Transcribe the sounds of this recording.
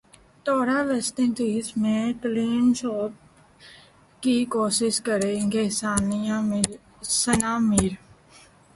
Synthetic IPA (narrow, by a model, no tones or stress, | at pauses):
t̪ɔːɾaːʋɛst̪ɪ̃nt̪iːsmẽʈliːnʃɔːp̚ | kikoːʃɪʃkəɾeɪŋkesaːnja | sənaːmɪːɾ